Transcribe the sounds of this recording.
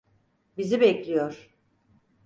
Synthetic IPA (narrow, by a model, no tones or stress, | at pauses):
bizibɛclʲijoɾ̥